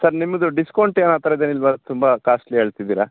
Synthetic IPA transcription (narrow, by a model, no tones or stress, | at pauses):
sɐɾnimːɐd̪uɖiskɐwɳʈeːnaːt̪ɐɾɐid̪eːnilːʋat̪umbɐkaːsʈliɦeːɭt̪id̪iːɾa